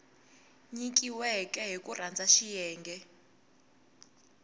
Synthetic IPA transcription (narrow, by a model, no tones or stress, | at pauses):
ɲik̬ʼiwɛkʼɛɦikʼurand͡zʱaʃijɛːŋɡɛ